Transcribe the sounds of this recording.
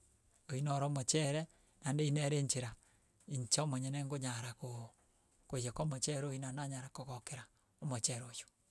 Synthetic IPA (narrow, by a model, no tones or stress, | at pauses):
oinɔɾɔmot͡ʃɛɾɛ | nandeinɛɾeɲt͡ʃeɾa | iɲt͡ʃɔmɔɲɛnɛŋɡoɲaɾako | kojɛkɔmɔt͡ʃɛɾoinanaɲaɾakɔɣɔkeɾa | omot͡ʃɛɾojo̥